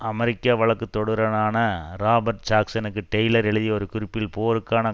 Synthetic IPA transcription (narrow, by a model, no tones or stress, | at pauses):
ɐmɐɾɪkːaːʋɐɭɐkːɯt̪ːɔɽɯɾɐnaːnɐɾaːbɐɾʈ̚t͡ʃaːksɐnɯkːɯʈɐjlɐɾɛɭɯðijɐɔɾɯkʊɾɯpːɪlpoːɾɯkːaːnɐ